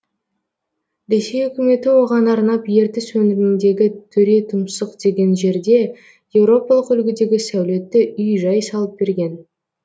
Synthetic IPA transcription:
ɾe̞se̞jɵkʲɪme̞t̪ɪwo̞ʁɑnɑɾnɑpje̞ɾt̪ɪswɵnɪɾɪɪnd̪e̞ɡʲɪt̪ʰɵɾe̞t̪ʰʊmsəqd̪e̞ɡʲe̞nʒe̞ɾd̪e̞ | je̞wɾo̞pɑlˠəqʏlɡʲɪd̪e̞ɡʲɪsæwle̞t̪ːɪʔʏjʒɑjsɑlˠəp̚be̞ɾɡʲe̞n

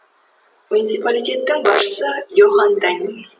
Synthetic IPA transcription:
munʲit̪sipalʲijt̪ʲe̞t̪ːɪŋbɑʃə̥səjoχɑnd̪ænʲi

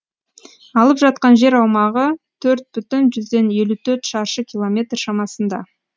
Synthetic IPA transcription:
ɑlˠəpʒɑt̪̚qɑnʒe̞ɾɑwmɑʁət̪ʰɵɾt̪̚bʏt̪ɪnʒʏzd̪e̞ne̞lut̪ʰɵɾt̪ʃɑɾʃəkʲilˠo̞mʲe̞t̪rʃɑmɑsənd̪ɑ̰

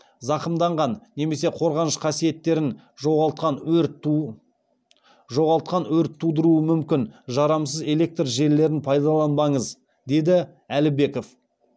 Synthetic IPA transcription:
zɑqəmd̪ɑɴʁɑnːe̞me̞se̞qʰo̞ɾʁɑnəʃqʰɑsije̞t̪ːe̞ɾɪn | ʒoɑt̪qɑn | ʒo̞ʁɑlˠt̪̚qɑnwɵɾɪt̪ʰːud̪əɾuəmʏmkʲɪnʒɑɾɑms̬əze̞le̞k̚t̪rʒe̞ɾlːe̞ɾɪnpʰɑjd̪ɑlˠɑnbɑɴəz | d̪e̞d̪ɪ | ælɪbe̞ko̞f

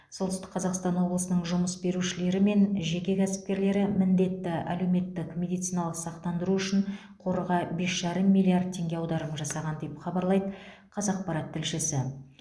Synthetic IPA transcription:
so̞lˠt̪ʏst̪ɪ̥qːʰɑzɑqst̪ɑnwo̞blˠəsənəɴʒʊməsbe̞ɾuʃɪle̞ɾɪme̞nʒe̞kʲe̞kʲʰæsɪ̥p̚kʲe̞ɾle̞ɾɪmɪnd̪e̞t̪ːɪæ̰le̞wme̞t̪ːɪkmʲe̞d̪ijt̪sijnɑlˠəqsɑqt̪ɑnd̪əɾuʏʃɪɴ | qʰo̞ɾəʁɑbe̞sʒ̥ɑɾəmːilʲˠiard̪̚t̪ʲʰːe̞ŋɡʲe̞ɑwd̪ɑɾəmʒɑsɑʁɑnd̪e̞pχɑbɑɾlˠɑjd̪ə | qʰɑzɑq̚pɑɾɑt̪ʰːɪlʃɪsɪ

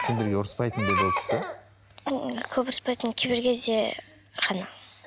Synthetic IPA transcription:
kʲʰɪmd̪eɾɡʲeʊɾəspɑjt̪ənd̪ebot̪ʰɪ̥se | kʲʰɵpʊɾəspɑjt̪ənkʲʰebɪɾkʲʰezd̪e | qʰɑnə

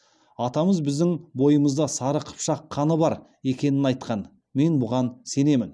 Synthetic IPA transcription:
ɑt̪ɑməzbɪzd̪ɪŋbo̞jəməzd̪ɑsɑɾəqʰə̥pʃɑqʰːɑnəbɑɾ | e̞kʲe̞nɪnɑjt̪qʰɑn | me̞nbʊʁɑnse̞ne̞mɪn

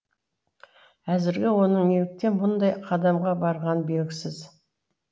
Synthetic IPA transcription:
æzɪɾɡʲɪwo̞nəɴelɪk̚t̪e̞nbʊnd̪ɑjqʰɑd̪ɑmʁɑbɑɾʁɑnbe̞lɡʲɪsɪz

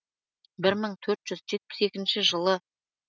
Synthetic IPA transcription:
bɪɾməɴt̪ʰɵɾt̪ʒ̥ʏzʒe̞t̪̚pɪ̥se̞kʲɪnʃɪʒəlˠə

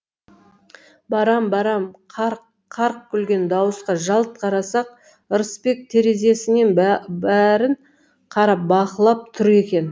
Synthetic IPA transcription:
bɑɾɑmbɑɾɑmʰ | ɑɾq̚kʲʰʏlɡʲe̞nd̪ɑwəsqɑʒɑlˠt̪̚qʰɑɾɑsɑq̚ | əɾəspe̞k̚t̪ʰe̞ɾe̞ze̞sɪne̞nbæɾɪɴ | qʰɑɾɑp̚bɑqəlˠɑp̚t̪ʰʏɾe̞kʲe̞n

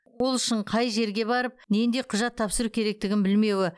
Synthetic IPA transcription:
wo̞lˠʏʃɪɴqʰɑjʒe̞ɾɡʲe̞bɑɾəp̚ne̞nd̪e̞qʰʊʒɑt̪ʰːɑpsəɾukʲʰe̞ɾe̞k̚t̪ɪɡʲɪnbɪlme̞wɪ

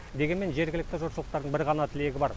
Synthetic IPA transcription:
d̪e̞ɡʲeme̞nʒe̞ɾɡʲɪlɪk̚t̪ɪʒʊɾsəlˠəq̚t̪ɑɾd̪əɴbɪɾʁɑnɑt̪ʰɪle̞ɡʲɪbɑɾ

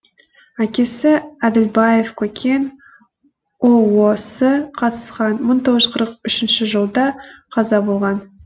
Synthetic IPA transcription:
ækʲe̞sɪæd̪ɪlbɑjefkʲʰɵkʲʰe̞n | owosəqʰɑt̪ə̥sqɑnməɴt̪ʰo̞ʁəzqʰəɾəq̚ʏʃɪnʃɪʒəlˠd̪ɑqʰɑzɑbolˠʁɑn

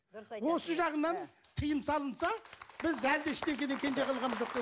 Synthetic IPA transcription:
wo̞səʒɑʁənɑnt̪ʰəjəmsɑlˠənsɑbɪzæld̪eɪʃne̞ŋkʲe̞d̪eŋkʲʰe̞nd͡ʒeqʰɑlˠʁɑnmzʒoqd̪e

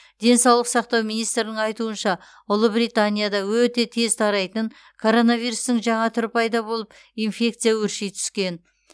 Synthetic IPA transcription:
d̪̥e̞nsɑwlˠəqsɑq̚t̪ɑwmijnijst̪ɾɪnɪŋɑjt̪uənʃɑ | ʊlˠəbɾijt̪anʲijad̪ɑwɵt̪e̞t̪ʰe̞zt̪ʰɑɾɑjt̪əŋ | kʰo̞ɾo̞navijɾust̪ɪŋʒɑɴɑt̪ʰʏɾpɑjd̪ɑbo̞lˠəp | infʲe̞k̚t̪sɨjawɵɾʃejt̪ʰʏ̥skʲe̞n

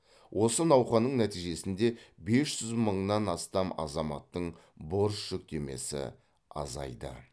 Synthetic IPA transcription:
wʔo̞sənɑwχɑnəɴnæt̪ijʒe̞sɪnd̪e̞be̞sʒʒ̥ʏzməɴnɑnɑst̪ɑmɑ̰zɑmɑ̰t̪ːəɴ | bo̞ɾsːʏk̚t̪e̞me̞̰sɪ̰ | ɑ̰zɑ̰jd̪ə̰

